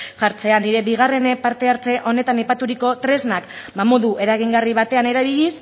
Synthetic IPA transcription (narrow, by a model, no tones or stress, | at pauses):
ʝaɾt͡se̞aniɾe̞biɣ̞are̞nepaɾt̪e̞aɾt͡se̞ʔo̞ne̞t̪anajpat̪uɾiko̞t̪ɾe̞znakbamo̞ðuʔe̞ɾaɣiŋɡariβ̞at̪e̞ane̞ɾaβiʎis